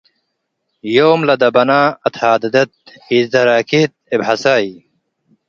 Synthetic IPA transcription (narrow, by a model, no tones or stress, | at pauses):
joːmlɐd̪ɐbɐnaːɐt̪ʰaːd̪ɐd̪ɐt̪̚ | iːzd̪ɐɾaːkʰit̪̚ibhɐsaːi